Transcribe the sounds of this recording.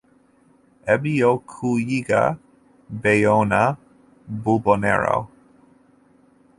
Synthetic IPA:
ɛbijowkʰujiɡa̰ | bejowna | bubɔnɛ̰ɹa̰w

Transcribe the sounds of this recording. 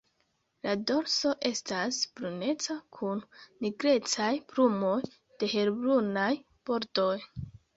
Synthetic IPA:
lado̞ɾso̞ʔe̞stasb̥ɾune̞t͡sakʰunːiɡɾe̞t͡sajpɾumo̞j | d̥e̞he̞ɾbɾunaj | b̥o̞ɾdo̞j

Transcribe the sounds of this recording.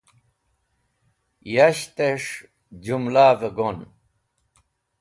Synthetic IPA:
jaɕt̪eʂ | d͡ʑumlaːveɡon

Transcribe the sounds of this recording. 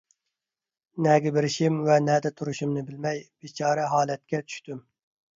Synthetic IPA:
nɛɡʲɛbɪɾɪʃimvɛnɛd̪ɛt̪ʰuɾuʃumnɪbɪlmɛjb̥et͡ʃʰɑːɾɛɦɑːlɛt̪̚kʲɛt͡ʃ̪ʰy̥ʃt̪ym

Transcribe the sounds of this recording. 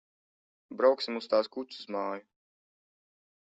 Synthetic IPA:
bɾawksimust̪aːskut̪suz̥maːju

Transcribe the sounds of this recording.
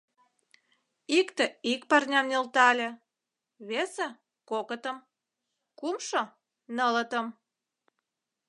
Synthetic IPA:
ikt̪ĕikpɑrnʲɑmnʲelt̪ɑlʲe | βese | kokət̪əm | kumʃo | nələt̪əm

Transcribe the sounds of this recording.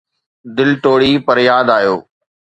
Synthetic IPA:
d̪ɪlʈoːɽiːpɐɾjaːd̪aːjoː

